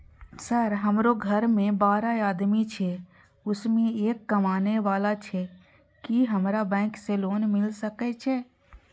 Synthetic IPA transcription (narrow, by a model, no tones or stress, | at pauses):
səɾɦəmɾoɡʱəɾmẽbaːɾaaːd̪mit͡ʃʰe | ʊsmẽeːkːəmaːneʋaːlat͡ʃʰe | kiɦəmɾabɛ̃ːkseloːnmɪlsəkɛt͡ʃʰɛː